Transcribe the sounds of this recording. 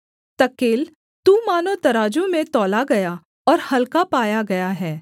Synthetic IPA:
t̪ɐkeːl | t̪uːmaːnot̪ɐɾaːd͡ʒõmẽt̪ɔːlaɡɐja | ɔːɾhɐlkapaːjaɡɐjaɦɛː

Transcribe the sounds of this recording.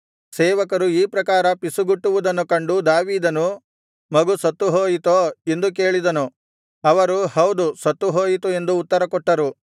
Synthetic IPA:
seːʋɐkɐɾuiːpɾɐkaːɾɐpisuɡuʈːuʋud̪ɐnːukɐɳɖud̪aːʋiːd̪ɐnu | mɐɡusɐt̪ːuɦoːjit̪oːe̞nd̪uk̬eːɭid̪ɐnu | ɐʋɐɾuhɐwd̪usɐt̪ːuɦoːjit̪ue̞nd̪uːt̪ːɐɾɐkɔʈːɐɾu

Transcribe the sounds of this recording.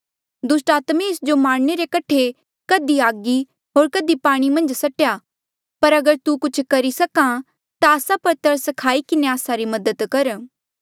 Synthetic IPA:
d̪ʊsʈaːt̪mẽɪsd͡ʒomaːɽ̃ñeɾekɐʈʰe | kɐd̪iaːɡi | ɦoːɾkɐd̪ipaːɽ̃imɐ̃nd͡ʒsɐʈeja | pɐɾɐɡəɾt̪ukʊt͡ʃʰkɐɾisɐkã | t̪aːsapɐɾt̪ɐɾsɐkʰaːikɪneaːsaɾimɐd̪əd̪kɐɾ

